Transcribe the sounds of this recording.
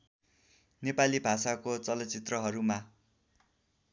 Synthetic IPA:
nepalibʱasakot͡sʌlʌt͡sit̪rʌɦʌɾuma

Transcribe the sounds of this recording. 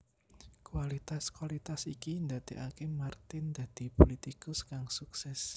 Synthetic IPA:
kuwalit̪askwalit̪asikind̪at̪eʔakemart̪ɪnd̪̥ä̤d̪̥i̤polit̪ikʊskaŋsuksɛs

